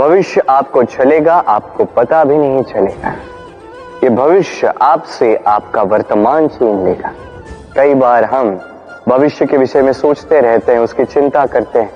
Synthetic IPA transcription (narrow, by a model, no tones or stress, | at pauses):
bʱɐʋɪʃjəʔaːp̚kot͡ʃɐleːɡaʔaːp̚kopɐt̪abʱinɐɦĩt͡ʃɐleːɡaː | jebʱɐʋɪʃjəʔaːpseʔaːpkaʋɐɾt̪əmaːnsiːnlḛːɡaː | kɐibaːɾɦɐm | bʱɐʋɪʃjəkeʋɪʃəjmẽsoːt͡ʃt̪eɾɛɦt̪eɦɛ̃ʊskit͡ʃɪ̃nt̪akɐɾt̪eɦɛ̃ː